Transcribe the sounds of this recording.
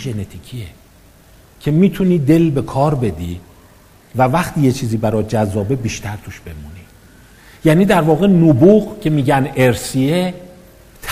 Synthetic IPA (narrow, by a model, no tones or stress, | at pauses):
enet̪ʰiːcʰie | cʰe̞miːt̪ʰuniːd̪e̞lbe̞kʰɒːɾbe̞d̪ḭ | vævæχt̪ʰiːje̞t͡ʃʰiːziːbæɾɒːjd͡ʒæzːɒːbe̞biːʃt̪ʰæɾt̪ʰuʃb̥e̞muni | jæːniːd̪æɾvɒːɣe̞nubuɣcʰe̞miːɟæneɾsie | t̪ʰ